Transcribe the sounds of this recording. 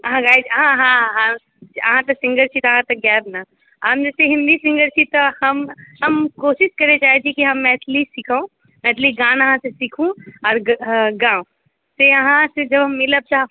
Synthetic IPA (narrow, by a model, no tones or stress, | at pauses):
ɐɦãɡaːid͡ʒɦãɦãɦã | ɐ̰ɦãt̪ɐsɪ̃ŋɡəɾt͡ʃʰit̪oɦãt̪ɐk̚ɡɛːbna | amd͡ʒɛːseɦɪ̃nd̪isɪ̃ŋɡəɾt͡ʃʰit̪ohɐmɦɐmkoːʃɪʃkɐɾed͡ʒaːed͡ʒ̪ʰikiɦɐmːɛːt̪ʰlisɪkʰõ | mɛ̃ːt̪ʰliɡãːnəɦãsesikʰũɔːɾɡãːõ | seɐɦãsed͡ʒɐbʱɦɐmːɪləb̚t͡ʃaː